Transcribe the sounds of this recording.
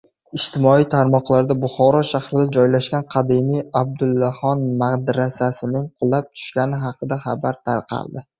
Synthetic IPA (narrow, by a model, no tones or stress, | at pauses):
ɪʃt̪ʰɪmɒijt̪ʰaɾmɒqlˠaɾd̪abʊχɒɾɒʃahɾɪd̪ad͡ʒɒjlaʃkʲanqʰɑd̪ɪmijab̚d̪ʊlˠːahɒnmaqd̪ɾasasɪnɪŋqʰʊlˠːap̚t̪ʰʊ̥ʃkʲanɪɦɑqʰɨd̪aχɑbaɾt̪ʰaɾqʰɑ̰lˠd̪ɪ